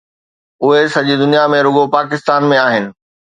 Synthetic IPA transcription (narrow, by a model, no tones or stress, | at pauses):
ʊɦesɐʄid̪ʊnijamẽɾʊɡopaːk̬ɪst̪aːnmẽaːɦɪnɪ̆